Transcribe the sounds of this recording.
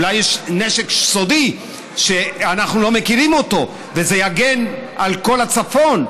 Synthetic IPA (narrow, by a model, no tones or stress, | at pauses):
lajːeʃneʃekʃso̞d̪i | ʃeanaχnulo̞mekiʁimo̞t̪o̞ | vezejaɡe̞nʔalko̞lat͡safo̞n